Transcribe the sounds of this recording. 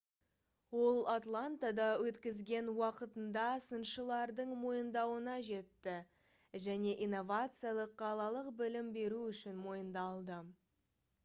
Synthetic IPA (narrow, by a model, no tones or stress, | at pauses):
wo̞lˠat̪lˠant̪ad̪ɑwɵt̪kʲɪzɡʲe̞nwɑqət̪ənd̪ɑsənʃəlˠɑɾd̪əɴmo̞jənd̪ɑwənɑʒe̞t̪ːɪ | ʒæne̞ʔinːo̞vat̪sɨjalˠəqːʰɑlˠɑlˠəqbɪlɪmbe̞ɾuʏʃɪnmo̞jənd̪ɑlˠd̪ə